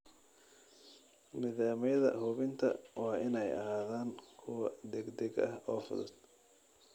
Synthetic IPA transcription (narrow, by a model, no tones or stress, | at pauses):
mɪðaːmɪjɐðɐ̰ɦʊβɪnt̪ʰɐ̰wɑːʔɪnɛjɐ̰ɦaːðaːŋkʰʊwɐd̪ɛɡd̪ɛɡɐ̰hɔːfʊ̰ðʊd̪̥